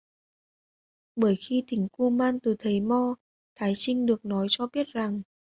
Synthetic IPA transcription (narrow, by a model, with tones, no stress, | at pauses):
ɓəː˧˩jxi˧t̪ï˧˩ŋ̟ku˧maː˧nt̪ɨ˨˩t̪ʰə˨˦jmɔ˧ | t̪ʰaː˨˦jt͡ɕï˧ŋ̟ɗɨ˨˩ək̚nɔ˨˦jt͡ɕɔ˧ɓi˦˥ət̚za˨˩ŋ